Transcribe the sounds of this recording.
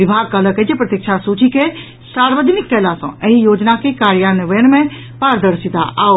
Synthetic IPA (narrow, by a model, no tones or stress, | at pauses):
ʋɪbʱaːɡ̚kələkəd͡ʒepɾət̪jikt͡ʃʰasuːt͡ʃike | saːɾʋəd̪ʱnɪk̚ʈɛːlasɐ̰̃əɦijoːd͡ʒnakekaːɾjaneʋəjəñmẽ | paːɾd̪əɾsit̪a̰ʔaːo